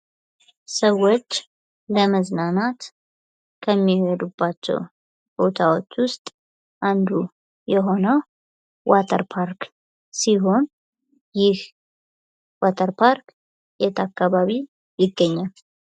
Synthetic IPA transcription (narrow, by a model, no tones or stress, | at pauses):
səwo̞t͡ʃː | ləməznanat̪ | kʰəmːihed̪ub̥ːat͡ʃːɛ̰w | b̥o̞t̪ʰawo̞t͡ʃːwʊst̪ʼ | ʔand̪u | jɛɦo̞nəw | wat̪ʰə̰ɾpʰaɾk | siɦo̞n | jɪh | wat̪ʰəɾpʰaɾk | jet̪ʰakːaβaβi | jɪɡːəɲːal